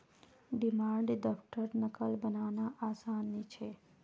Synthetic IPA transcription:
ɖimãɳɖd̪ɔfʈəɾnəkəlbənaʋnaʔasanːit͡ʃʰe

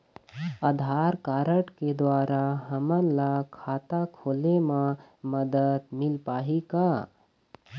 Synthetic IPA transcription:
əd̪ʱaːɾkaːɾəʈked̪waːɾaɦəmənlakʰaːt̪akʰoːlemãməd̪əd̪mɪlpaːɦika

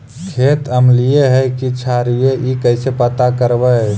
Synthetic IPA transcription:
kʰet̪əmlijeɦɛkit͡ʃʰaɾijeʔikəɪsepət̪akəɾbə

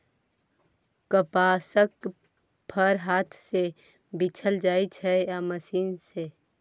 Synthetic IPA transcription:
kəpaːsək | pʰəɾɦaːt̪ʰse | bɪt͡ʃʰəld͡ʒaːit͡ʃʰɛjaməsiːnse

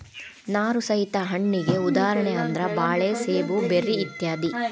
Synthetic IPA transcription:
naːɾusɐɦit̪ɐɦɐɳːiɡe̞ud̪aːɾɐɳɛɐnd̪ɾɐbaːɭeːseːbubeɾiːt̪jaːd̪i

